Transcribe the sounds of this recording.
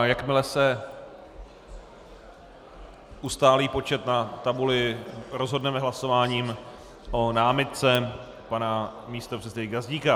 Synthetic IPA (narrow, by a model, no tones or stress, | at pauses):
jakmɪlɛsɛ | ʔust̪aːliːpo̞t͡ʃɛt̪nat̪abulɪɾozɦo̞dnɛmɛɦlaso̞vaːɲiːm | ʔo̞naːmɪt̪̚t͡sɛ | panamiːst̪opr̥ɛst̪ɛɪɡazɟiːka